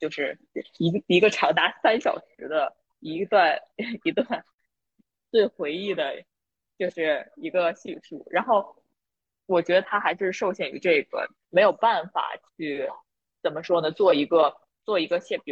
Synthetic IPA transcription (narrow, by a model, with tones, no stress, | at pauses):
t͡ɕjo˥˧ʊʂɻ̩˥˩˥ | i˧˥i˧˥ɡə˧ʈ͡ʂʰɑ˧˥ŋt̪a˧˥sa˥nɕjɑ̰˨˩ʊʂɻ̩˧˥d̪ə˧ | i˧˥t̪wa˥˩ni˧˥t̪wa˥˧n | t͡swe˥˩ɪxwe˧˥ɪi˥˩d̪ə˩ | t͡ɕjo˥˧ʊʂɻ̩˥˩i˧˥ɡə˧ɕi˥˧ʂṵ˥˩ɻa˧˥nxo˥˩ʊ | wɔ˨˩t͡ɕɥɛ˧˥d̪ə˧t̪ʰa˥xa˧˥ʂ̩˥˧ʂo˥˧ʊɕjɛ˥˩ny̰˧˥ʈ͡ʂɤ˥˩ɡə̰˩ | me˧˥ɪjo˨˩ʊpa˥˩nfa̰˨˩t͡ɕʰy˥˩ | t͡sə˨˩nmə˦ʂwɔ˥nə˨t͡swɔ˥˩i˧˥ɡə˧ | t͡swɔ˥˩i˧˥ɡə˧ɕjɛ˥˩p